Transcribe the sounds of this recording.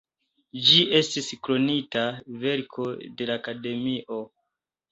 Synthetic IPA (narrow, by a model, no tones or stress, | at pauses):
d͡ʒiʔe̞stiskɾo̞nitave̞ɾkʰo̞de̞lakade̞miʔo̞